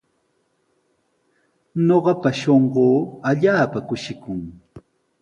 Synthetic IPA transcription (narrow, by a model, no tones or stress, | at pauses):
ɲoɢɑpaʃoɴɢoːaʎaːpakʊʃɪkʊŋ